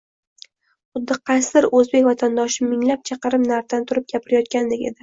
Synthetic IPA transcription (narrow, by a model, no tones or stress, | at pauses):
χʊd̪ːɪqʰɑjsɪɾɵzbe̞kʲvat̪ʰand̪ɒʃɪmɪŋlap̚t͡ʃʰɑqɨɾɪmnaɾt̪ant̪ʰʊɾɪp̚ɡʲapʰɪɾɪjɒt̪̚kʲanlɪkʲed̪ɪ